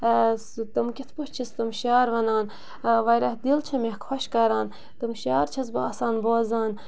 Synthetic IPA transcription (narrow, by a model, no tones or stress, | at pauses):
st̪ɨmkʲit̪ʰpoht͡ʃʰist̪ɨmʃjaːɾʋɐnaːn | ʋɐjɾɐhd̪ilt͡ʃʰɐmehkʰwɐʃkɐɾaːn | t̪ɨmʃjaːɾt͡ʃʰɐzbɐːsaːnboːzaːn